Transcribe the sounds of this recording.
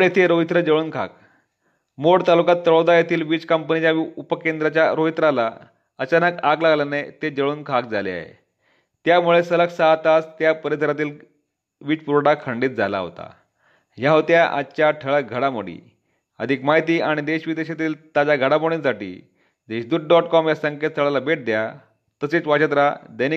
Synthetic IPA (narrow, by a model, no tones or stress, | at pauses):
ɽet̪ʰeɾoɦit̪ɾəd͡ʑəɭuːnkʰa̰k | moɽt̪alukat̪ːəɭod̪ajat̪ʰiːlʋiːt͡skəmpənit͡ɕjaupəkend̪ɾat͡ɕjaɾoɦit̪ɾala̰ | ət͡ɕanəkaɡlaɡlanet̪ed͡ʑəɭuːnkʰak̚d͡zalḛa̰ɦḛ | t̪jamuɭesələksaɦt̪ast̪japəɾit̪ʰəɾat̪̬iːl | ʋiːt͡spuɾɽakʰəɳɖiːt̪̚d͡zʱala̰ɦo̰t̪a̰ | jaɦot̪jaʔa̰t͡ɕjaʈʰəɭəɡʱəɽamoɽḭː | ə̰d̪ʱikmaɦit̪iːaɽ̃id̪eɕʋid̪eɕat̪iːlt̪ad͡zaɡʱəɽamoɽinsaʈḭː | d̪eɕd̪uːʈ̚ɖɔʈkɔmjasəŋket̪̚sʰəɭalabeʈ̚d̪ja | t̪əset͡sʋat͡ɕət̪ɾad̪əjni